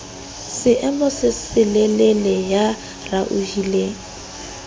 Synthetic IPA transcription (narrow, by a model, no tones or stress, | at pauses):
sɪʔɛmʊsɪsɪlelelɛja | raʔuhile